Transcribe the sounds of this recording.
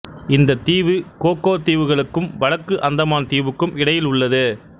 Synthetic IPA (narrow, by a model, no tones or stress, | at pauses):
ɪnd̪ɐt̪iːʋɯkoːkːoːt̪iːʋɯɣɐɭɯkːɯmʋɐɻɐkːɯʔɐnd̪ɐmaːnt̪iːʋɯkːɯmɪɽɐjɪlʊɭːɐðɯ